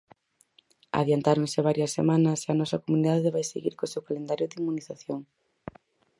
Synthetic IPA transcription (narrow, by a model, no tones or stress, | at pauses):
a̰ðjant̪aɾomŋseβ̞aɾjɐsːḛmanɐseanɔsɐkomuniðaðeβajsḛɣḭɾkosewkalend̪aɾjʊd̪imːuniθaθjoŋ